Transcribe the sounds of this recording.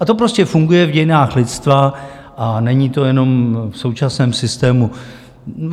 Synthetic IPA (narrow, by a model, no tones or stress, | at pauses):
ʔat̪o̞pɾo̞scɛfuŋɡujɛvɟɛjnaːxlɪt̪t͡st̪va | ʔanɛɲiːt̪o̞jɛno̞mfso̞wt͡ʃasnɛːmsɪst̪ɛːmu